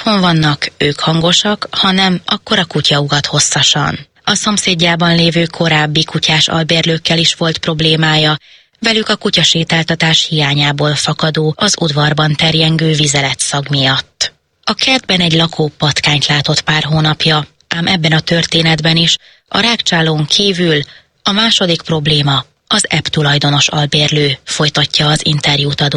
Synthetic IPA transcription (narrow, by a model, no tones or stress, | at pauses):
hoɱvɒnːɒkøːkhɒŋɡo̞ʃɒkhɒnɛmɒ̰kːo̞ɾɒkucɒuɡɒt̪ho̞sːɒʃɒ̰n | ɒso̞mseːɟːaːbɒnleːvøːkʰo̞ɾaːbːikucaːʃɒ̰lbeːrløːkːɛliʃʋo̞lt̪pro̞bleːmaːjɒ | vɛlykɒkucɒʃeːt̪aːlt̪ɒt̪aːʃhijaːɲaːboːlfɒkɒd̪oːɒzṵd̪vɒrbɒnt̪ɛrjɛŋɡøːvizɛlɛt̪sɒɡmijɒt̪ː | ɒkɛd̪bɛnɛɟlɒkʰoːpɒt̪kaːɲt̪laːt̪o̞t̪paːrɦoːnɒpjɒ | ʔaːmʔɛbːɛnɒt̪ø̞rt̪eːnɛd̪bɛniʃ | ʔɒ̰ɾaːkt͡ʃaːloːŋkʰiːvyl | ɒmaːʃo̞d̪ikpro̞bleːmɒ | ɒzɛpt̪ulɒjd̪o̞no̞ʃɒ̰lbeːrløːfo̞jt̪ɒcːɒːzḭnt̪ɛrjuːt̪ɒd̪oː